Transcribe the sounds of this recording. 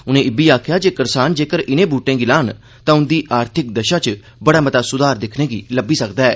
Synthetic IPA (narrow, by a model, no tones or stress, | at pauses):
ʊnẽːɪbiːaːkʰjaːd͡ʒeːkəɾsaːnd͡ʒeːkəɾʔɪnẽːbuːʈẽːɡɪlaːn | t̪ãːʊnd̪iːʔaːɾt̪ʰɪk̚d̪əʃaːt͡ʃ | bəɽaːmət̪aːsʊd̪aːɾd̪ɪkʰnẽːɡiːləbiːsəkd̪aːɛː